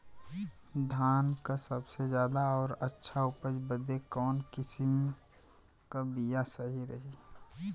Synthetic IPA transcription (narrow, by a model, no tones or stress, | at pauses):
d̪ʱaːnkasəbsed͡ʒjaːd̪aɔːɾətːʃʰaʊpəd͡ʒbəd̪ekɔːnkɪsɪm | kabijasəɦiɾəɦi